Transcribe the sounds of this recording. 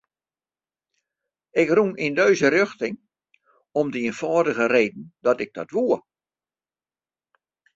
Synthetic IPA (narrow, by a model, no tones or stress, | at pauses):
ɪkruŋindøɥzərøxtɪŋ | ɔmdəiənfɔːdəɣəreːdn̩dɔtɪɡ̚dɔtʋuə